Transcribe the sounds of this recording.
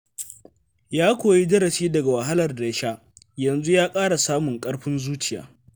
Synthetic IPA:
jaː˦kʷoː˨ji˦d͡ʒɐ˦ɾɐ˨ʃiː˦dɐ˨ɡa˨wɐ˨ɦa˦lɐ˨rda˨˦ʃa˦ | jɐ˨nzu˦jaː˦kʼaː˦ɽa˨saː˦mʊ˨ŋkʼɐ˦ɽɸɪ˦nzuː˦t͡ʃɪ˨ja̰ː˦

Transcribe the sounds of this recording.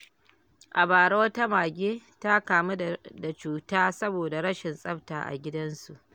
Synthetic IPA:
ʔa˨baː˨ɽoː˦ta˦maː˨ɡʲeː˦ta˦kaː˨mu˦da˨t͡ʃuː˨taː˦sɐ˦boː˨da˨ɽɐ˦ʃɪ˨nsʼɐ˦ɸta̰ː˨ʔa̰˨ɡʲɪ˦dɐ˦nsu˨ʔ

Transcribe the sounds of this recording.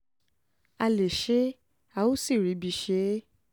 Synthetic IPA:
a˧le˨ʃe˦ | a˦˨o˦si˦˨ɾi˨˦bi˧˨ʃe˨˦

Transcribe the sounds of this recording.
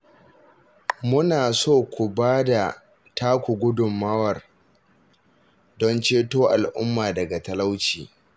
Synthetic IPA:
mʊ˦naː˨soː˦˨kʷu˨baː˦da˨ | tʰaː˦kʷu˨ɡʷʊ˦dʊ˨mːɐ˦wɐ˨r | dɔ˦nt͡ʃeː˦toː˦ʔa˨lʔʊ˦mːaː˨dɐ˨ɡa˨tɐ˨la˦wt͡ʃḭː˨

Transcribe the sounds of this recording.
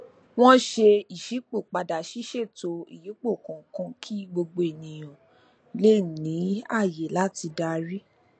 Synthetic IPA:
w̃ɔ̃˦ʃe˧i˨ʃi˨˦k͡po˦˨k͡pa˨da˨ʃi˨˦ʃe˦˨to˧i˨ji˨˦k͡po˦˨kɔ̃˨˦kã˧kʰi˦ɡ͡bo˧ɡ͡bo˧e˨nĩ˨j̃ɔ̃˨ | le˦˨nĩ˨˦a˦˨je˨˦la˨˦ti˧da˧ɾi˦

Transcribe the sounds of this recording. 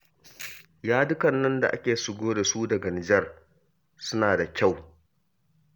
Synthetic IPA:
jaː˦dʊ˦kɐ˨nːɐ˦nda˨ʔa̰˦kʲeː˨ʃʊ˨ɡʷoː˦da˨suː˦dɐ˨ɡɐ˨nɪ˨d͡ʒɐ˦r | sʊ˦naː˨da˨kʲa˦˨w

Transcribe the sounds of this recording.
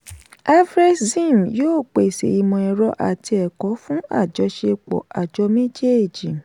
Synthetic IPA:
a˦fɾe˦szĩ˦˨m˨joː˦˨k͡pe˨sḛ˨i˧mɔ̃˧ɛ˧ɾɔ˧ʔa̰˨ti˧ɛ˨kɔ˨˦fũ˦a̰˦˨d͡ʒɔ˧ʃe˧k͡pɔ̰˨a˨d͡ʒɔ˧mĩ˦d͡ʒe˦e˦˨d͡ʒĩ˨

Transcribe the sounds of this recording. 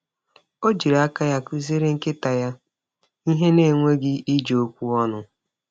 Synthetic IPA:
o˦d͡ʒi˨ɾa˦ka˦ja˦ku˦ze˦ɾe˦ŋ̩˦kɪ˦ta˨ja˦ | i˦ɦe˦ne˦˨ŋʷe˦ɡɪ˦i˦d͡ʒo˦kʷu˦ɔ˦nʊ˦

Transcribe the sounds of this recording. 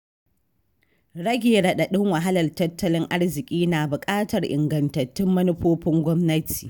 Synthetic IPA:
ɽɐ˦ɡʲeː˨ɽɐ˨ɗa˨ɗɪ˦ŋwɐ˨ɦa˦lɐ˨rtɐ˦tːɐ˦lɪ˦ŋʔa˦ɽzɪ˨kʲʼiː˦naː˨bʊ˨kʼaː˦tɐ˨rʔɪ̰˨ŋɡɐ˨ntɐ˨tːɪ˦mːɐ˦nʊ˦ɸoː˦ɸɪ˦ŋɡʷɔ˦mnɐ˦tʰi̥ː˨

